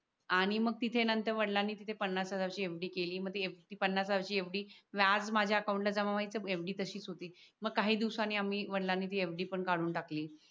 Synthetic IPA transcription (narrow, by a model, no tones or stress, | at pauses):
aɽ̃iməɡ̚t̪it̪ʰenənt̪əɾʋəɽlanːiːt̪it̪ʰepənːasəd͡zaʋɕiːefɖiːkeliːməɡ̚t̪iet̪iːpənːasaʋɕiːefɖiːʋjad͡zmad͡ʑʱjaəkawũɳʈlad͡zamamait͡səefɖiːt̪əɕiːt͡sɦot̪iːməɡ̚kːaɦiːd̪iʋsanːiːamiːʋəɽlanːiːt̪iːefɖiːpəɳkaɽuːnʈakliː